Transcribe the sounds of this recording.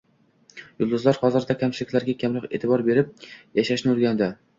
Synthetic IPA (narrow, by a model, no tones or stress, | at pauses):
jʊlˠd̪ʊzlaɾhɒzɪɾd̪akʲʰamt͡ʃʰɪlɪkʲlaɾɡʲakʲʰamlɪqet̪ʰɪbɒɾbe̞ɾɪp̚jaʃaʃnɪʊɾɡʲand̪ɪ